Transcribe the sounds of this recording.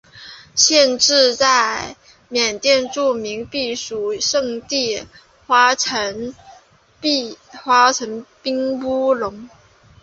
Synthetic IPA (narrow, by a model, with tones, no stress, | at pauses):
ɕjɛ˥˧nʈ͡ʂɻ̩˥˧t͡sa˥˩ɪ | mjɛ˨˩nt̪jɛ˥˧nʈ͡ʂu˥˩mi˧˥ŋpi˥˩ʂu˨˥˦ʂɤ˥˧ŋt̪i˥˩ | xwa˥ə˧˥ŋ˥˧ | xwa˥ʈ͡ʂʰɤ˧˥ŋpi˥ŋpu˥lʊ˧˥ŋ